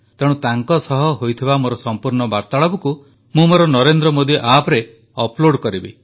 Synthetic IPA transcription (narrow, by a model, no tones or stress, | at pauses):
t̪eɽ̃ũt̪aŋkɔsɔɦɔɦojt̪ʰibamoɾɔsɔmpuɾɳɔbaɾt̪aɭɔbɔku | mũmoɾɔnɔɾend̪ɾɔmod̪iʔapɔɾe | ɔploɽkɔɾibḭ